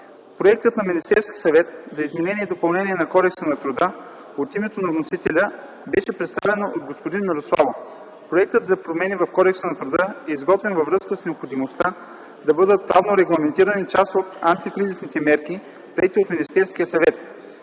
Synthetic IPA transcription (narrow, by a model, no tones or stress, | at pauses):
pɾoɛk̚t̪ət̪nɐminist̪ɛɾskʲisɐvɛt̪zɐizmɛnɛniɛd̪opɐlˠnɛniɛnɐkɔd̪ɛksənɐt̪ɾud̪ə | ot̪imɛt̪onɐvnosit̪ɛlʲə | bɛʃɛpɾɛt̪st̪avɛnod̪̚ɡospod̪inmiɾoslˠa̰vof | pɾoɛk̚t̪əd̪zɐpɾomɛnivɐfkɔd̪ɛksənɐt̪ɾʊd̪əɛizɡɔt̪vɛnvɐvɾɤskəsnɛopxod̪imost̪a | d̪ɐbɤd̪ət̪̚pɾavnoɾɛɡlˠɐmɛnt̪iɾənit͡ʃast̪ot̪ant̪ikɾizisnit̪ɛmɛɾki | pɾiɛt̪iot̪minist̪ɛɾskʲijəsɐvɛt̪